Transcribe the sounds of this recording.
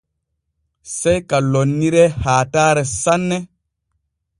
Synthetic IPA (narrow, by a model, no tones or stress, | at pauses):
sɛjkalonːiɾɛhaːtaːɾɛsanːɛ